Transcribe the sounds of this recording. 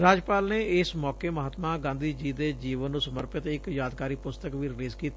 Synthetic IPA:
ɾaːd͡ʒpaːlneːɪsmɔːkeːməɦaːt̪mãːɡãːnd̪iːd͡ʒiːd̪eːd͡ʒiːʋənːũːsəməɾpɪt̪ɪkjaːd̪kaːɾiːpʊst̪əkʋiːɾɪliːzkiːt̪ː

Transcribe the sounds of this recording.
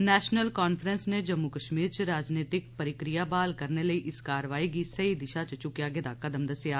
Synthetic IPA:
nɛːʃnəlkaːnfʰɾənsned͡ʒəmːukəʃmiːɾt͡ʃɾaːd͡ʒneːt̪ɪk̚pəɾɪkɾɪjaːbaːlkəɾneːləiːʔɪskaːɾʋaːiːɡisəid̪ɪʃat͡ʃt͡ʃʊkjaːɡeːd̪aːkəd̪əmd̪əsjaː

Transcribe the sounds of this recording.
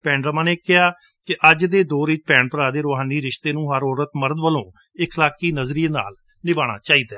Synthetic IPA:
pɛ̃ːɳɾəmãːneːkɪɦaː | kɪʔəd͡ʒd̪eːd̪oːɾit͡ʃpɛ̃ːɳpəɾaːd̪eːɾoːɦaːniːɾɪʃt̪eːnũːɦəɾɔːɾət̪məɾd̪ʋəlõː | ɪkʰlaːkiːnəzɾiena̰ːl | nɪbaːɽ̃a̰ːt͡ʃaːiːd̪aɛː

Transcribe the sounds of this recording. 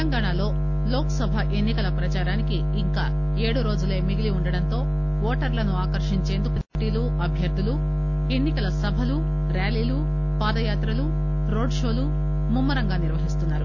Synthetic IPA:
t̪ɐŋɡaːɳalo̞ː | loːkɐsɐbʱɐʔe̞nːikɐlɐpɾɐt͡ʃaːɾaːnikiːŋkaː | e̞ːɽuɾo̞ːd͡ʒuleːmiɡiliuɳɖɐɽɐnt̪o̞ː | ɔːʈɐɾlɐnuaːkɐɾʂiɲt͡ʃe̞ːnd̪uku | ʈiːluʔɐbʱjɐɾd̪ʱulu | e̞nːikɐlɐsɐbʱɐlu | ɾaːliːlu | paːd̪ɐjaːt̪ɾɐlu | ɾoːɖʂoːlu | mumːɐɾɐŋɡaːniɾʋɐɦist̪unːaːɾu

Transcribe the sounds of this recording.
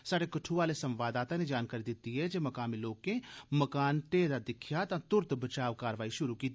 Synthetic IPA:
saːɽekəʈʰuʋaːlesə̃mʋaːd̪aːt̪ãːned͡ʒaːnkaːɾid̪ɪt̪ːiɦɛd͡ʒemɐkaːmiloːkẽməkaːnʈeːd̪ad̪ɪkʰjat̪ãːt̪ʊɾt̪bət͡ʃaːʋkaːɾʋaːiʃʊɾukiːt̪

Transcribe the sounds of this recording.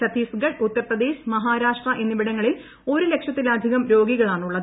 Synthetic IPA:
ɐt̪iːfɡɐɖut̪ːɐɾprɐd̪e̞ːɕmɐɦaːɾaːʂʈrɐʔe̞nːɨʋiɽɐŋːɐɭil | o̞ɾule̞kʂjɐt̪ːilɐd̪ʱiɣɐmɾo̞ːɡiɣɐɭaːɳuɭːɐð

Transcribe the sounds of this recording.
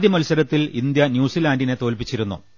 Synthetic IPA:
ðjiɐmɐlsɐɾɐt̪ːilḭnd̪jɐnjuːsilaːndine̞t̪o̞ːlpit͡ɕːiɾunːṵ

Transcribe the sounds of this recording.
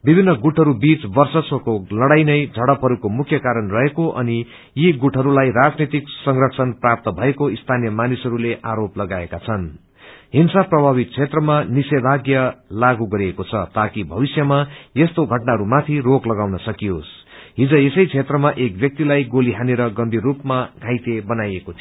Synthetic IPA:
bibʱinːʌɡuʈʰʌɾubit͡sbʌrsʌswʌkolʌɽajnʌjd͡zʱʌɽʌpʰɦʌɾukomukʰjʌkaɾʌnrʌɦekoʔʌ̰ni | jiɡuʈʰɦʌɾulajɾad͡znit̪iksʌŋrʌksʰʌnprap̚t̪ʌbʱʌekoist̪ʰanijʌmanisɦʌɾuleʔaɾoplʌɡaekat͡sʰʌn | ɦinsaprʌbʱaβit̪̚t͡sʰet̪rʌmanisebʱaɡjʌlaɡuɡʌɾiekot͡sʰʌt̪akibʱʌβisjʌmajest̪oɡʱʌʈnaɦʌɾumat̪ʰiroklʌɡawnʌsʌkijos | ɦid͡zʌ̃esʌjt͡sʰet̪rʌmaʔek̚bjʌk̚t̪ilajɡoliɦaneɾʌɡʌmbʱirːupmaɡʱãjt̪ebʌnajekot̪ʰi

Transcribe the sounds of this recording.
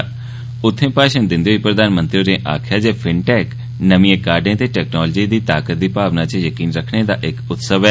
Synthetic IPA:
ʊt̪ʰːẽpaːʃənd̪ɪ̃nd̪joipɾɐd̪aːnmə̃nt̪ɾijoɾẽːʔa̰ːkʰjad͡ʑeːfʰɪɳʈɛːk | nɐmiekaːɾɖẽt̪eʈɛːknɔːld͡ʑid̪iːt̪aːkət̪̚d̪iːpaːʋnat͡ɕejɐkiːnɾɐkʰɽ̃ed̪aʔɪkʊt̪səʋ

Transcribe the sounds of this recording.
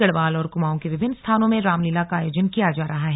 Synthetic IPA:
ɐɽʋaːlɔːɾkʊmaːõkeʋɪbʱɪnːst̪ʰaːnõmẽɾaːmliːlakaaːjoːd͡ʒənkijad͡ʒaːɾɐɦaɦɛ

